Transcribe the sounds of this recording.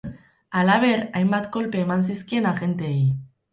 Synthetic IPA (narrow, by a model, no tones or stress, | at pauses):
alaβ̞e̞ɾajmbat̪ko̞lpe̞ːmans̬iskie̞naɣe̞nt̪ej